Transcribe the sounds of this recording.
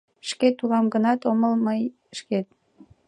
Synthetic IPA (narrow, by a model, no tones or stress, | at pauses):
ʃket̪ulɑmɡənɑt̪oməlməj | ʃket̪̚